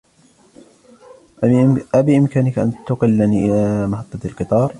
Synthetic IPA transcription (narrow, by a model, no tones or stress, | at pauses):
ʔʔabɪʔɪmkaːnɪkʔant̪ʊqɪlːaniːʔɪlaːmaħɑt̪ˤːɑt̪lqɨt̪ˤɑːɾˤ